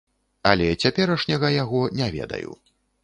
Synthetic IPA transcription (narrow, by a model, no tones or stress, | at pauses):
ɐlʲɛt͡sʲapʲɛɾɐʂnʲɐɣɐjaɣɔnʲɛvʲɛ̰d̪ɐ̰jṵ